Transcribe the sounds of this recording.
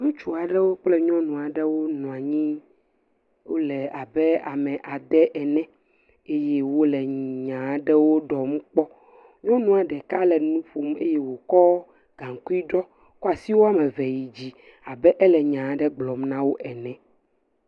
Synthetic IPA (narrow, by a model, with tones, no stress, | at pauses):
ŋũ˦t͡ʃu˨a˨ɖɛ˦wo˦k͡plɛ˦ɲɔ̃˦nũ˨a˨ɖɛ˦wo˦nũ˨a˨ɲĩ˦ | wo̰˦lɛ˨a˨bɛ˦a̰˨mɛ̃˨ʔa˨d̪ɛ˦ʔɛ˨nɛ̃˦ | e˦jɛ˦wo˦lɛ˨ɲã˨˦ɖɛ˦wo˦ɖɔ˨mũ˦k͡pɔ˦ | ɲɔ̃˦nũ˦a˨ɖɛ˨ka˦lɛ˨nũ˦ɸo˨me˦jɛ˦wo˨kɔ˦ | ɡ̥ã˨ŋ˨ku˦i˦ɖɔ˦ | kɔ˦a˨si˦wo˦a˦mɛ̃˨vɛ˨ji˨d͡ʑi˦ | a˨bɛ˦ʔɛ˦lɛ˨ɲã˨˦ɖɛ˦ɡ͡blɔ˨mnã˦wo˦ʔɛ˨nɛ̃˨